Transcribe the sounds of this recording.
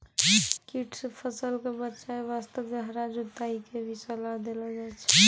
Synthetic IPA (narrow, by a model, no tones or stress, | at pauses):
kiʈʰspʰəsəlkebətːʃaeʋast̪əɡəɦɾad͡ʒut̪aikebʱisəlad̪elad͡ʒat͡ʃʰɛ̥